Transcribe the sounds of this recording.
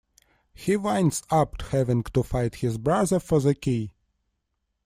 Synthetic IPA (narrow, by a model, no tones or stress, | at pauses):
hiwãɪ̃nsapthɛvɪ̃ŋtufaɪthɪzbɹaðə˞fɔ˞ðəkʰi